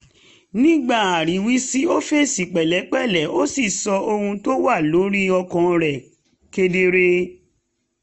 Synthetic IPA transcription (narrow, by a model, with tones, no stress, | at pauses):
nĩ˦ɡ͡ba˦˨a˨ɾi˨˦wi˦si˦o˦fe˦˨si˨k͡pɛ˨lɛ˨˦k͡pɛ˦˨lɛ˨˦o˦si˦˨sɔ˧o˧hũ˧to˦wa˦˨lo˨˦ɾi˦ɔ˧kɔ̃˨ɾɛ˨ | ke˧de˧ɾe˧